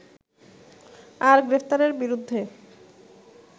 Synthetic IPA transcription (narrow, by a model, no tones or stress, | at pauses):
aɾɡɾept̪aɾeɾbiɾud̪ʱːe